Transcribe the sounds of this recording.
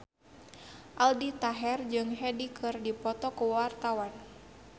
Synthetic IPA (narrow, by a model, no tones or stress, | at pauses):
ʔaldit̪aɦɛrd͡ʒɨŋɦɛdikʰɨrdipɔt̪ɔkuwart̪awan